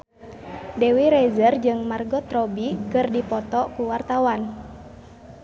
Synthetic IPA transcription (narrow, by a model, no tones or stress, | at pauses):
dewiɾɛzərd͡ʒɨŋmarɡɔt̪ɾɔbikɨrdipɔt̪ɔkuwart̪awan